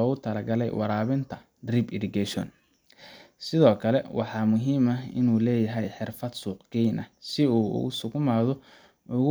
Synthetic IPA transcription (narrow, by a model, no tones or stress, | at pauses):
ɔːɣʊt̪ʰɐlɐɡɐlɛ̰jwʔɑɾaːβɪnt̪ʰɐ | d̪ribɪɾɪɡɛʃɔ̰n | sɪðɔːkʰɐlɛwɑħɑːmʊɦiːmɐɪ̰nuːlɛːjɐɦɛjħɪrfɐd̪suːqɡɛnɐ̰sɪṵːsʊkʰʊmaːðɔ | ʊɣʊ